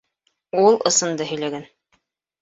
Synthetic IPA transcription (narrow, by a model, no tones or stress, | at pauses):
ulˠɤ̆sɤ̆nd̪ɤɦɵ̆jlæɡæn